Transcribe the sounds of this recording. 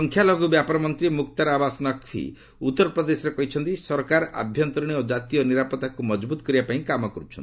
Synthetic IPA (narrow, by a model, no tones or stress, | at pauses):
ɔŋkʰjalɔɡubjapɔɾɔmɔnt̪ɾimukt̪aɾabasɔnɔkfʰḭ | ut̪ːɔɾɔpɾɔd̪esɔɾekɔɦit͡ʃʰɔnt̪isɔɾkaɾʔa̰bʱjɔnt̪ɾɔɽ̃iod͡ʒat̪ijɔniɾapɔt̪akumɔd͡ʒbut̪ɔ̥kɔɾibapaĩkamɔkɔɾut͡ʃʰɔni